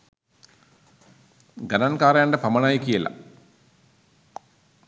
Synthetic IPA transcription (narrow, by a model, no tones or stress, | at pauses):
ɡɐnankaːɾɐjaɳɖəpɐmɐɳajikijəla̰